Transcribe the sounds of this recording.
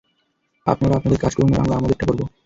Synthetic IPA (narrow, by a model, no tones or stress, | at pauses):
a̰pnaɾaapnad̪eɾkaʃkoɾmeɾa̰mlaamad̪eʈʰːakoɾbo